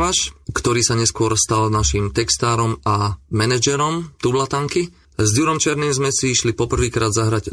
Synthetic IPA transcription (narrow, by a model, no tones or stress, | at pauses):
aʃkt̪ɔɾiːsaɲɛskʊɔɾst̪alnaʃimt̪ɛkst̪aːɾɔmamɛnɛd͡ʒɛɾɔmt̪ublat̪aŋki | zduɾɔmt͡ʃɪɛɾniːmzmɛsiʃlipɔpr̩ʋiːkɾaːd̪zaɦɾaɟ